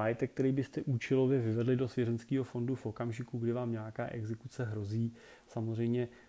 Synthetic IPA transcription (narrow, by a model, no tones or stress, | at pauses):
ajɛt̪ɛk̚ːt̪ɛɾiːbɪst̪ɛʔuːt͡ʃɛlo̞vjɛvɪvɛdlɪdo̞svjɛzɛnt͡skiːɦo̞fo̞ndufʔo̞kamʒɪkuɡdɪvaːmɲaːkaːʔɛɡzɛkut͡sɛɦɾo̞ziː | samozr̝ɛjmɲɛ